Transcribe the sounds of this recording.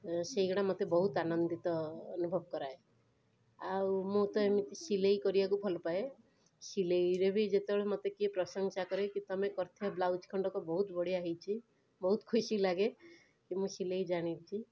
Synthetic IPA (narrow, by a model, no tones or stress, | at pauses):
seɡɔɽamot̪ebɔɦut̪anɔnd̪it̪ɔːnubʱɔbkɔɾae | awmũt̪ɔemit̪isilejkɔɾibakubʱɔlɔpae | silejɾebʱid͡ʒet̪ebeɭemot̪ekipɾɔsɔŋsakɔɾekit̪ɔamekɔɾt̪ʰiablawd͡ʒkʰɔɳɖɔkɔbɔɦut̪bɔɽ̤iaɦit͡ʃʰi | bɔɦut̪kʰusilaɡe | kimũsilejd͡ʒaɽ̃it͡ʃʰi